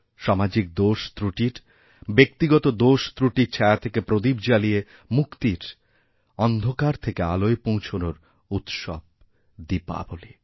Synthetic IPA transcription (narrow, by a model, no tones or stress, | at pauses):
ʃɔmad͡ʑik̚d̪oʃt̪ɾuʈiɾ | bek̚t̪iɡɔt̪od̪oʃt̪ɾuʈiɾt͡ɕʰeat̪ʰekepɾod̪ibd͡ʑalie | mukt̪iɾ | ɔnd̪ʱokaɾt̪ʰekealoepõw̃t͡ɕʰonoɾ | ut̪ʃɔ̰b̚ | d̪ipa̰boli